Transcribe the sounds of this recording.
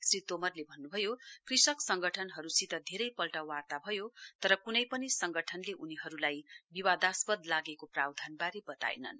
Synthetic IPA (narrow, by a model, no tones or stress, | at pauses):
srit̪omʌrlebʱʌnːubʱʌjokrisʌksʌŋɡʌʈʰʌnɦʌɾusit̪ʌd̪ʱeɾʌjpʌlʈawart̪abʱʌjot̪ʌɾʌkunʌjpʌnisʌŋɡʌʈʰʌnleʔuniɦʌɾulajbiwad̪aspʌd̪laɡekoprawd̪ʱanbaɾibʌt̪a̰j̰nʌ̰n